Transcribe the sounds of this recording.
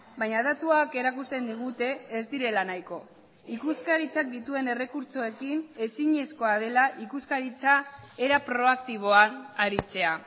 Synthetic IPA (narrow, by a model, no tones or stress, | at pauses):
bajɲaðat̪uake̞ɾakust̪e̞nd̪iɣ̞ut̪e̞ːzd̪iɾe̞lanajko̞ | ikuskaɾit͡sak̚d̪it̪ue̞ne̞re̞kuɾt͡so̞e̞kine̞siɲe̞sko̞að̞e̞laʔikuskaɾit͡sae̞ɾapɾo̞ak̚t̪iβ̞o̞aaɾit͡se̞a